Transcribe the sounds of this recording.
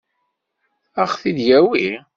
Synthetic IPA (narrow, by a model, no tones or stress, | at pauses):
æχθid̪jæwi